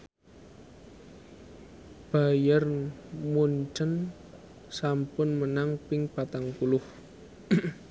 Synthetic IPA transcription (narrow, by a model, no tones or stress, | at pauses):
b̥a̤jarmuɲt͡ʃən | sampʊnmənaŋpɪŋpat̪aŋkulʊh